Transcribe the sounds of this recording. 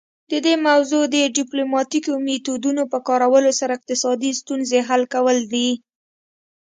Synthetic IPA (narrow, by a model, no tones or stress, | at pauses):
d̪̥əd̪emawzod̪əɖiplomɑt̪ikomet̪ud̪unopəkɑɾawəlosaɾaɪq̚t̪ɪsɑd̪ist̪unzeɦalkawəld̪i